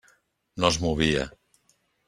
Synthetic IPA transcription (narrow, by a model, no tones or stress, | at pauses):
nozmuβ̞ia̰